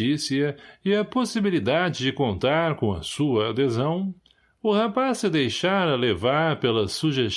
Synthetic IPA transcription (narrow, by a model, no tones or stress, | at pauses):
isiɐɪɐposibilid̪ad͡ʒɪd͡ʒɪkõnt̪aɾkõɐ̰suɐːd̪ezɐ̃w̃ | ʊhapasːɪd̪ejʃaɾɐlevaɾpelɐsuʒes